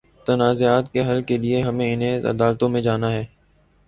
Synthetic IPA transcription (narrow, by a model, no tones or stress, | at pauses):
t̪ɐnaːzeaːt̪keɦɐlkelieɦɐmẽɪnẽɐ̰d̪aːlt̪õmẽd͡ʒaːnaɦɛː